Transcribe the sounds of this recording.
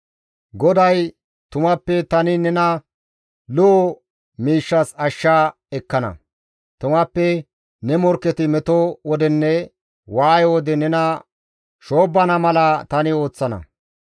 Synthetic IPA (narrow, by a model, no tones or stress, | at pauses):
ɡɔd̪ɐj | t̪ʊmɐpːɛt̪ɐnɪnɛnɐ | lo | miːʃːɐsɐʃːaː | ɛkːɐnɐ̰ | t̪ʊmɐpːɛ | nɛmɔɾkːɛt̪ɪmɛt̪ɔwɔd̪ɛnːɛ | waːjwɔd̪ɛnɛnɐ | ʃo̞ːbːɐnɐmɐlɐt̪ɐnɪo̞ːt͡sːɐnɐ̰